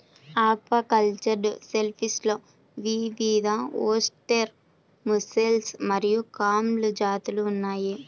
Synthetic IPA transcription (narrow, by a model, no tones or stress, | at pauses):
aːpʋɐkɐlt͡ʃɐɖselpʰisloː | ʋiʋid̪ʱaoːsʈeɾ | muselsmɐɾijukaːmlud͡ʒaːt̪uluːnːaːji